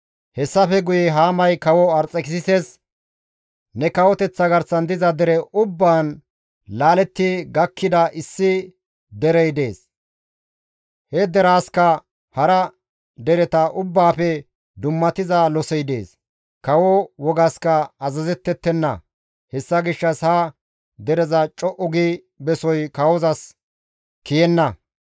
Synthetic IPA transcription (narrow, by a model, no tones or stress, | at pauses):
hɛsːɐfɛɡʊjɛɦaːmɐjkɐwɔɐɾt͡sʼːɛkɪsɪses | nɛkɐwɔt̪ɛt͡sːɐɡɐɾsɐnd̪ɪzɐd̪ɛɾɛʔʊbːaːn | laːlɛt̪ːɪɡɐkːɪd̪ɐʔɪsːɪ | d̪ɛɾɛjd̪e̞ːs | hɛd̪ɛɾaːskɐ | hɐɾɐ | d̪ɛɾɛt̪ɐʔʊbːaːpɛ | d̪ʊmːɐt̪ɪzɐlɔsɛjd̪e̞̰ːs | kɐwɔwɔɡɐskɐɐzɐzɛt̪ːɛt̪ːɛnːɐ̰ | hɛsːɐɡɪʃːɐshɐ | d̪ɛɾɛzɐt͡ʃʼɔʔɔɡi | bɛsɔjkɐwɔzɐs | kɪjɛnːɐ